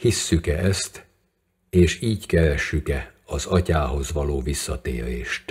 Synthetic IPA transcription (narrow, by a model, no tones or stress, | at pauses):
hisːykɛɛst̪ | eːʃiːckɛɾɛʃːykɛɒzɒcaːɦo̞zʋɒloːvisːɒt̪ḛːɾḛːʃt̪